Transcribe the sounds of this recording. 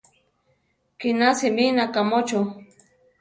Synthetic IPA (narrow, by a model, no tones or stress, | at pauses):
kinasiminakamot͡ʃʊ